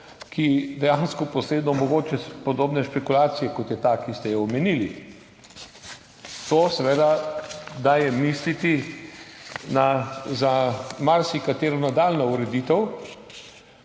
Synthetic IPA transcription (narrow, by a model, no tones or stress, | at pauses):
kʰid̪ɛjanskɔpɔsɾeːd̪nɔmɔɡoːt͡ʃɛpod̪oːbnɛʃpɛkulaːt̪sijɛkɔt̪jɛt̪akist̪ɛjɛɔmɛnili | t̪oːsɛʋed̪ad̪aːjɛmislit̪i | nazamaɾsikat̪eːɾɔnad̪aːlnauɾɛd̪iːt̪ɛw